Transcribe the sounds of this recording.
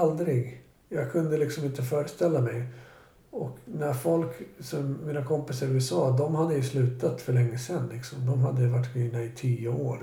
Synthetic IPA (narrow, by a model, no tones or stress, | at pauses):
ald̪ɾɪɡ | jɑːɡkʰɵnd̪əlɪksɔmɪnt̪əfœːɾəst̪ɛlːamɛj | ɔknæɾfɔlksɔmːiːnakʰɔmpɪsaɾʉɛsɑːd̪ɔmhad̪ːəjɵslʉ̟ːt̪at̪fœɭɛŋːəsɛnlɪksɔmd̪ɔmɦad̪ːəjɵvaʈːɡiːnaɪt̪ʰiːʊoːɾ